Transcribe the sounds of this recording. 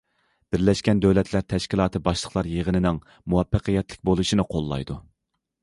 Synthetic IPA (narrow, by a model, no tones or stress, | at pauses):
b̥ɪɾlɛʃkʲɛnd̪øwlɛt̪ʰlæɾt̪ʰɛʃkʲilˠɑːt̪ʰɨbɑʃlˠəχlˠɑɾjeʁənɪnɪŋ | muwɛpːəqʰəjɛt̪lɪkʲbolˠuʃinɨqʰolˠːɑ̰jd̪u